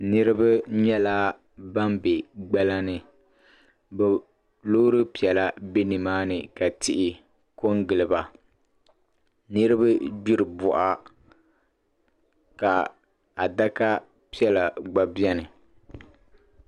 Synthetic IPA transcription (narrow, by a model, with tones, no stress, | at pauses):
nɨ˦ɾɨ˦ba˦ɲɛ˦laː˦ | ba˦mbe˨ɡ͡ba˦la˦nɨ˨ | bɛ˨ | lo˦ɾɨ˦pi˨ɛ˨la˦bɪ˦nɨ˨maː˦nɨ˨ka˨tɪ˨ʔɪ˨ | ko˦ŋɡɨ˨lɨ˨ba˨ | nɨ˦ɾɨ˦ba˦d͡ʒu˦ɾɨ˨bʊ˨ʔa˦ | ka˨ | a˨da˦ka˦ | pi˦ɛ˦la˨ɡ͡ba˨bi˦ɛ˦nɨ˨